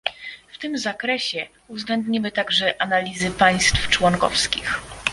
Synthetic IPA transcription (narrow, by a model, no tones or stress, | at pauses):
ft̪ɘmzakɾɛɕɛ | uvzɡlɛnd̪ɲimɘt̪aɡʐɛʔanalʲizɘpaj̃st̪ft͡ʂwɔŋkɔ̰fskʲix